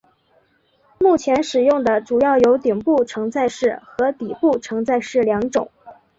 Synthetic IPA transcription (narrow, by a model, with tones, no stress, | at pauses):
mu˥˩t͡ɕʰjɛ˧˥nʂɻ̩˨˩jʊ˥˩ŋd̪ə˩ʈ͡ʂu˨˩jɑ˥˩ʊjo˧˥ʊt̪i˨˩ŋpu˥˩ʈ͡ʂʰɤ˧˥ŋt͡sa˥˧ɪʂɻ̩˥˩xɤ˧˥t̪i˨˩pu˥˩ʈ͡ʂʰɤ˧˥ŋt͡sa˥˧ɪʂɻ̩˥˩ljɑ˧˥ŋʈ͡ʂʊ˨˩˦ŋ